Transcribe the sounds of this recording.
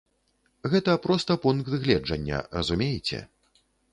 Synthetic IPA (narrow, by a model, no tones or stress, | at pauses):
ɣɛt̪ɐpɾɔst̪ɐpunk̪d̪ɨɣlʲɛd͡ʐɐnʲːɐ̰rɐzumʲejɛt͡sʲɛ̰